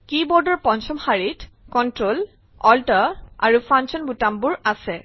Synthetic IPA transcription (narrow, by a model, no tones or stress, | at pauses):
kibɔɹdɔɹpɔnsɔmhaɹitkɔntɹol | ɔltɔa̰ɹupʰɹansɔnbutambʊɹasɛ